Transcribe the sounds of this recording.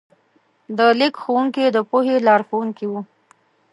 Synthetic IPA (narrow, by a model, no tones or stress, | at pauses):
d̪əlɪkxowuŋked̪əpuɦelɑɾxowuŋkiwu